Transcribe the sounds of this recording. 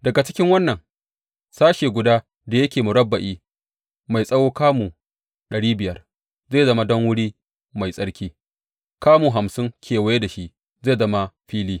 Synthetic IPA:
dɐ˨ɡa˨t͡ʃɪ̥˦kʲɪ˦ŋwɐ˦nːɐ˨ŋ | saː˦ʃeː˨ɡʷʊ˨daː˦ | da˨jɐ˦kʲeː˨mu˨ɽɐ˦bːɐ˨ʔiː˦ | ma˨jsʼɐ˦woː˦kaː˦mu˨ | ɗɐ˨ɽiː˦bɪ˨jɐ˦r | zeː˦˨zɐ˦ma˦dɔ˦ŋwʊ˦ɽiː˦ | ma˨jsʼɐ˦ɽkʲiː˦ | kaː˦muː˨ɦa˨msɪ˦ŋkʲʰeː˨wɐ˨je˦da˨ʃi˦ʔ | zeː˦˨zɐ˦ma˦ɸiː˦liː˦

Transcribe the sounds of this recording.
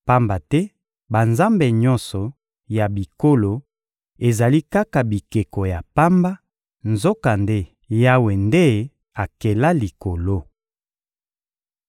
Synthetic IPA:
pa˦mba˨tɛ˦ | ba˨nza˦mbe˨ɲɔ˦nsɔ˨ | ja˨bi˨ko˦lo˨ | e˨za˨li˦ka˦ka˨bi˨ke˨kɔ˨ja˨pa˦mba˦ | nzo˦ka˨nde˦ | ja˦we˨nde˦ | a˨ke˨la˦li˨ko˨lo˦

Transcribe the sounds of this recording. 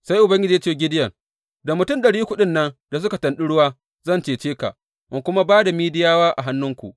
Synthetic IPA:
sa˦jʔʊ˨bɐ˦ŋɡʲɪ˦d͡ʒiː˨ja˦t͡ʃeː˦˨ɡʲɪ˦dɪ˦jɐ˨ŋ | da˨mʊ˨tʊ˦˨mɗɐ˨ɽiː˦kʷʊ˦ɗɪ˦nːɐ˦nda˨s̬ʊ˦ka˨tɐ˨nɗɪ˦ɽʊ˦waː˦ | zɐ˦˨nt͡ʃeː˨t͡ʃeː˦ka̰˨ʔ | ʔɪ˦ŋkʷʊ˦ma˦baː˦da˨miː˦dɪ˦jaː˦waː˦ʔa˨ɦa˦nːʊ˦ŋkʷṵ˨ʔ

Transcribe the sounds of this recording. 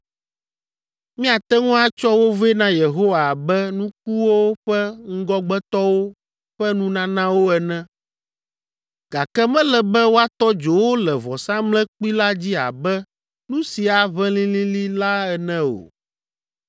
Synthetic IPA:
mĩ˦a˨t̪ɛ˦ŋũ˦a˦t͡ʃɔ˦wo˦vɛ˦nã˦je˨ɦo˦wa˨bɛ˦nũ˦k̚u˦wo˦ɸɛ˦ŋ̩˦ɡɔ˦ɡ͡bɛ˦t̪ɔ˦wo˦ | ɸɛ˦nũ˦nã˦nã˦wo˦ɛ˨nɛ̃˦ | ɡ̥a˨kɛ˦mɛ̃˦lɛ˨bɛ˦wo˦a˦t̪ɔ˦d͡ʒo˨wo˦lɛ˨vɔ˨sã˦mlɛ̃˦k͡pi˦la˦d͡ʑi˦a̰˨bɛ˦ | nũ˦si˨a˨βɛ̃˦lĩ˦lĩ˦li˦la˦ɛ˨nɛ̃˦o̰˨

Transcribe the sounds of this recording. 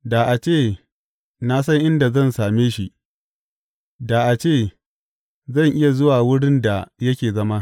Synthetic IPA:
daː˨ʔa˨t͡ʃeː˦˨ | na˦sɐ˦ŋʔɪ˦nda˨zɐ˦˨nsaː˨meː˦ʃi˦ʔ | da˨ʔa˨t͡ʃeː˦˨ | zɐ˦˨ŋʔɪ˦ja˨zʊ˦waː˨wʊ˦ɽɪ˦nda˨jɐ˦kʲeː˨zɐ˦ma˦

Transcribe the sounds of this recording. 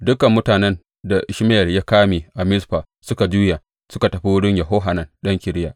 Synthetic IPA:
dʊ˦kɐ˨mːʊ˦taː˨nɛ˦n | da˨ʔɪ˨ʃmɪ˦jɐ˨rja˦kaː˦miː˨ʔa˨mɪ˦sɸaː˨ | sʊ˦ka˨d͡ʒuː˦ja˨ | sʊ˦ka˨tɐ˨ɸi˦wʊ˦ɽɪ˦ɲjɐ˨ɦo˦ɦa˨nɐ˨nɗɐ˦ŋkʲɪ˨ɾɪ˦jaː˨ʔ

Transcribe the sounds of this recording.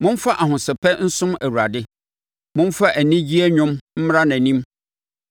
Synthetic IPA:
mʊ̃˦n˦fa˦ʔa˨hʊ̃˨sɪ˨pʰɛ˦n̩˦sʊ̃˦mæ˨wu˨ɾa˨dɪ˦ | mʊ̃˦n˦fa˦ʔæ˨nĩ˦d͡ʑi˦æ˦ɲᶣʊ̃˦mm̩˦m˦ɾa˦nã˨nĩ˦m

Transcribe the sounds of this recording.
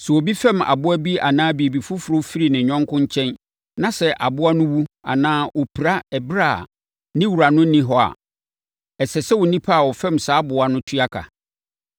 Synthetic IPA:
sɛ˨wɔ˨bi˦fɛ̃˦˨ma̰˨bʊ˦æ˦bi˦ʔa̰˨nãː˦bi˨e˨bi˨fʊ˦fʊ˨ɾo˦fi˦ɾi˨nɪ̃˨ɲᶣɔ̃˦ŋkʊ̃˦ɲ˦t͡ɕʰɛ̃˦n | nã˨sɛ˨ʔa˨bʊ˦a˦nʊ̃˦wu˦a̰˨nãː˦ɔ˨pʰi˨ɾa˦ɛ˨bɾa̰˦˨ | nɪ̃˦wu˨ɾa˨nʊ̃˦nĩ˦ɦɔ˦a̰˨ | ɛ˨sɛ˨sɛ˦wʊ˨nĩ˦pʰa˦a˨wɔ˨fɛ̃˦˨msaː˦bʊ˨a˨nʊ̃˦tʰɥa˦kʰa̰˨

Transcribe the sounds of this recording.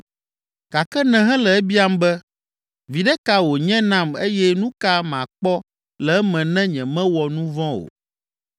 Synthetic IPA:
ka˨kɛ˦nɛ̃˨ɦɛ̃˦lɛ˨ɛ˦bi˦a˦mbɛ˦ | vi˨ɖɛ˦ka˦wo˨ɲɛ̃˦nã˦me˦jɛ˦nũ˦ka˦mã˨k͡pɔ˦ | lɛ˨ɛ˦mɛ̃˨nɛ̃˦ɲɛ̃˨mɛ̃˦wɔ˨nũ˦vɔ̃˦o̰˨

